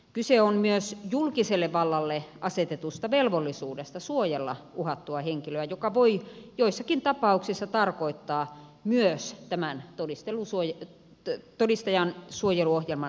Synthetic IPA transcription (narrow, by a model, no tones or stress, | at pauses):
kyseonmyøsjulkiselːeʋʋɑlːɑlːeʔɑset̪et̪ust̪ɑʋelʋolːisuːdest̪ɑsuojelːɑ̰ʔuhɑt̪ːuɑheŋkiløæjokɑʋoijoisːɑkint̪ɑpɑuksisːɑt̪ɑrkoit̪ːɑː | myøst̪æmænt̪odist̪elusuoje | t̪odist̪ɑjɑnsuojeluohjelmɑ